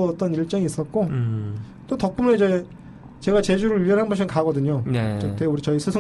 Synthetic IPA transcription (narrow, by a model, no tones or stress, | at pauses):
ʌt͈ʌniɭt͡ɕ͈ʌŋiːs͈ʌt̚k͈o | t͈otʌk̚k͈umeid͡ʑe̞ | t͡ɕe̞ɡat͡ɕe̞d͡ʑuɾɯɭyjʌnɦanbʌnɕʰimɯnkaɡʌdɯɲot͡ɕeteuɾit͡ɕʌisʰɯsʰɯ